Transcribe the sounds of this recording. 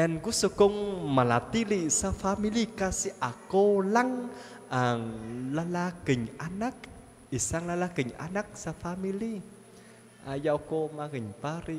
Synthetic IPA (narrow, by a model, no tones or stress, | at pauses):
ʔɛnkusoɡɔŋmalat̪ilisafamilikasiʔakolaŋ | ʔaŋlalaɡ̥ə̤ɲanak̚ | isaŋlalaɡ̥ə̤ɲa̰nak̚safamili | ʔajaukomaɡəɲpaɾi